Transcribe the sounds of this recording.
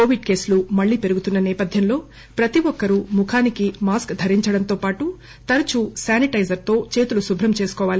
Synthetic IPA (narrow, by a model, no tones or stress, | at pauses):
koːʋiɖke̞ːslumɐɭːiːpe̞ɾuɡut̪unːɐnɛːpɐd̪ʱjɐmlo̞ː | pɾɐt̪iʋɔkːɐɾumukʰaːnikimaːskd̪ʱɐɾiɲt͡ʃɐɽɐnt̪o̞ːpaːʈu | t̪ɐɾɐt͡ʃusaːniʈɐjd͡ʒɐɾt̪o̞ːt͡ʃe̞ːt̪ulusubʱɾɐmt͡ʃe̞ːsu̥kɔːʋaːli